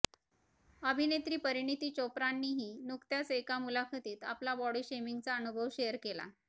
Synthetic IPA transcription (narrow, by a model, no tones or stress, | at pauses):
əbʱinet̪ɾiːpəɾiɳit̪iːt͡ɕopɾanːiːɦiːnukt̪jasekamulakʰət̪iːt̪a̰plabɔɽiːɕemiŋɡt͡saənubʱəʋɕejəɾkela̰